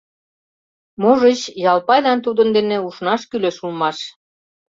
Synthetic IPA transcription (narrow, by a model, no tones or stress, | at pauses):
moʒət͡ɕjɑlpɑjlɑnt̪̬ud̪ənd̪enĕuʃnɑʃkyleʃulmɑʃ